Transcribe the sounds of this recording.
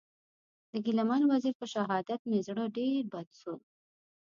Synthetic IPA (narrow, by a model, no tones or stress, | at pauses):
d̪əɡɪlamɑnwaziɾpəʃaɦɑd̪at̪nɪzɽəɖeɾbad̪sol